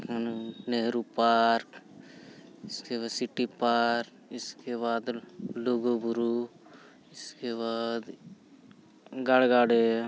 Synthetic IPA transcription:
konneɦɾupaːɾk | ɪskeasɪʈipaːɾk | ɪskeβaːd̪loːɡobʊɾu | ɪskeβaːd̪ | ɡaɽɡaːɽe

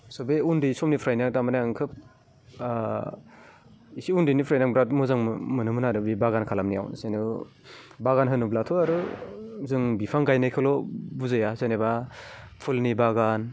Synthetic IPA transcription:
sɔbeundisɔmnipʰɾajnaŋtamanaaŋkʰɯp̚ | isiundɯnipʰɾajnaŋbɾat̚muzaŋmɯnɯmɯnaɾɯbibaɡankʰalamnija̰wsenɯ | baɡanɦɯnublatʰɔaɾɯzɯŋbipʰaŋɡajnajkʰɯlɔbuzɯjazeneba | pʰulnibaɡan

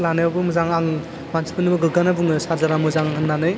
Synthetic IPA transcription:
lanɯjabɯmɯzaŋaŋ | bansi̥pɯnɯbɯɡɯɡanabuŋɯsaɾzaɾamɯzaŋaŋhɯnːanɯj

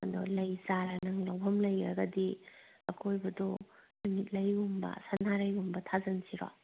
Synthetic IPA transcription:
do̰lɐjzaɾɐnɐŋlɐwpʰɐmlɐjɾɐ̰ɡɐdi | ɐkʰojbɐdɔnumit̚lɐjumbɐ̰sanaɾɐjumbɐtʰazɐnsiɾa̰

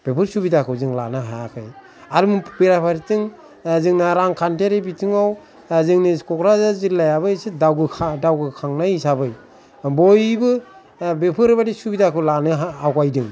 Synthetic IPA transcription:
b̥epʰɯɾsubidakʰɯwzɯŋlanɯɦajakʰɯj | aɾɯmpiɾapʰaɾitɯŋ | zɯŋnaɾaŋkʰanteɾebitʰɯŋaw | zɯŋnɯkɔkɾazazilajaβɯsedawɡɯkʰadawɡɯkʰaŋnajisabɯj | bojbɯ | bepʰɯɾbadisubidakʰɯwlanɯɦawkajdɯŋ

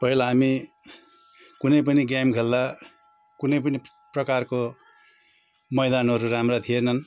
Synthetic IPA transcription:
pʌɦilaɦami | kunʌjp̬ʌniɡjamɡʱeld̪a | kunʌjp̬ʌni | prʌkarko | mʌjd̪anɦʌɾuramrat̪ʰienʌn

